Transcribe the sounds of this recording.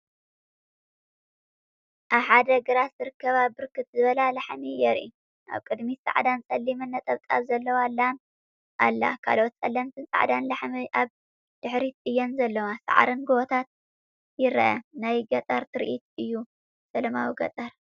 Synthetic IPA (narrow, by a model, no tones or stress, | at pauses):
ʔaβħad̪ɐɡɨɾat̪zɨɾɨkʰːɐβabɨɾkʰɨt̪zɨβɐlalaħmijɛɾʔḭ | ʔa̰βkʼɨd̪misʼa̰ʕd̪ant͡sʼɐlːimɨnːɐt̪ʼɐβt̪ʼaβzɐlːɐwalːan | ʔalːa̰kʰa̰lot̪t͡sʼɐlːɐmt̪ʰɨnsʼa̰ʕd̪anlaħmiʔaβ | d̪̥ɨħɾit̪ɨjːɛnzɐlːɐwasa̰ʕɾɨnɡoot̪ʰat̪̚ | jɪɾʔɐ̰najɡɐt̪ʼɐɾt̪ʰɨɾʔit̪ɨjːu | sɐlɐmawiɡɐ̰t̪ʼɐɾ